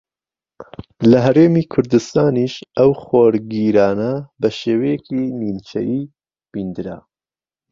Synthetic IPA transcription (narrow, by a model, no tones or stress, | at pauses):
lɐɦɐɾeːmiːkʰʊɾd̪ɨst̪aːniʃɐwxoːɾɡiɾɑːnɐbɐʃeːwɐjekinint͡ʃʰɐ̰ʔiː | b̥ind̪ɨɾa̰